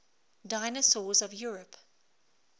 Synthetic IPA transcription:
daɪnəsɔːzɔvjuːɹəp

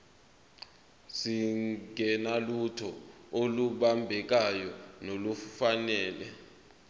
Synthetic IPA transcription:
siŋɡʱɛnalutʰɔoluɓambʱɛk̬ajɔnolufanɛːlɛ̰

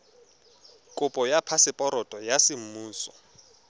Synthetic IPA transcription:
kʼʊpʼɔjapʰasɪpʼɔɾɔtʼɔjasɪm̩muːsɔ

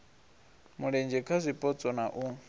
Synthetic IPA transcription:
muɺɛnd͡ʒɛkʰazʷipʼɔt͡sʼɔnaʔu

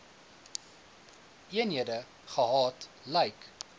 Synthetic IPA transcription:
ʔiənɦiədə | χəɦɑːt | lɛjk

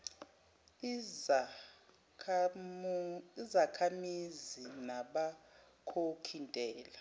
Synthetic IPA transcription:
izakʰamizinaɓa | kʰokʰintʼɛːla

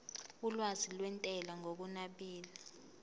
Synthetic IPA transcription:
ulwazilwɛntʼɛlaŋok̬unaɓiːla

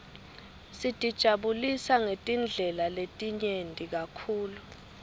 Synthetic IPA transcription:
sid̥ʼʱid̥ʒ̥ʱaɓulisaŋetʼind͡ɮʱɛlaletʼiɲentʼik̬akʰuːlu

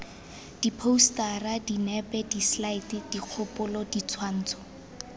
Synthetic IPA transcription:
d̥ipʰoustaradinɛpɛdislaitɪd̥iq͡χʰʊpʊlɔdit͡sʰwan̩ːt͡sʰɔ̥

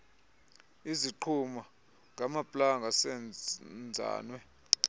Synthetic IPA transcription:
iziǃʰuma | ŋɡʱamapʼlaŋɡʱasɛnd͡zʱa̰ːnwɛ

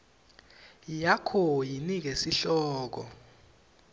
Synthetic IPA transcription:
jakʰɔjinik̬esiɬɔːk̬ɔ̰

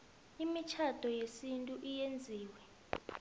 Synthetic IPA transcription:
imit͡ʃʰad̥ʱɔjesintʼuʔijend͡zʱiːwɛ

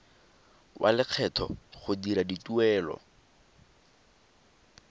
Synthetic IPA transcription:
wʔa̰lɪk͡xʰɛtʰɔ̰χʊdiɾadituɛːlɔ̰

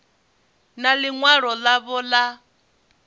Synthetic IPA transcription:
naliŋwaɺɔlaβɔla

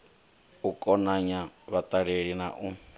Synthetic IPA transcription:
ukʼɔnaɲaβat̪ʼaɺeɺinaʔu

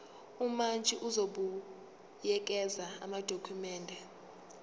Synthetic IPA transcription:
umant͡ʃʼiʔuzoɓu | jɛk̬ʼɛzaa̰mad̥ʱokʰumɛːndʱɛ

